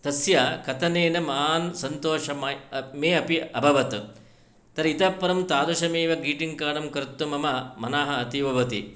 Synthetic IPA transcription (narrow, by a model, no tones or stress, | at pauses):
t̪ɐsjakɐt̪ʰɐneːnɐmaːnsɐnt̪oːʃɐmɐmeːɐpiɐbʱɐʋɐt̪u | t̪ɐɾɐit̪ɐpːɐɾɐmt̪aːd̪ɐʃɐmeːʋɐɡiːʈiŋkaːɳɐmkɐɾt̪ːumɐmɐmɐnaːɦɐɐt̪iʋɐʋɐt̪ḭ